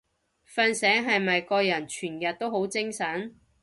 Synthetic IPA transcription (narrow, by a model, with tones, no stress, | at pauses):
fɐː˧nsɛː˨˥ŋɦɐ˨jmɐ˨jkɔː˧jɐ˨˩nt͡ʃʰyː˨˩njɐ˨t̚t̪ːo˥who˨˥wt͡sɪ˥ŋsɐ˨˥n